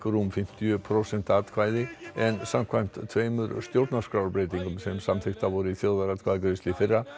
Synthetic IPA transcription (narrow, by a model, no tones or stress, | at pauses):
kɾumfɪm̥t̪jʏpʰɾosɛnt̪at̪kʰvajðɪɛnsamkʰvajm̥t̪t̪ʰveːjmʏɾst̪jowɾt̪naskɾawlpɾejt̪iŋkʏmsɛmsamθɪxt̪avɔɾʏiθjowðaɾat̪kʰvaðkɾest̪lɪfɪrːa